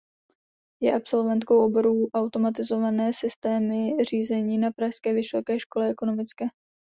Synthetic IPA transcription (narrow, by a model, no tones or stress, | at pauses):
jɛʔapso̞lvɛnt̪ko̞wʔobo̞ɾuːʔawt̪o̞mat̪ɪzo̞vanɛːsɪst̪ɛːmɪr̝iːzɛɲiːnapɾaʃskɛːvɪso̞kɛːʃko̞lɛʔɛko̞no̞mɪt͡skɛː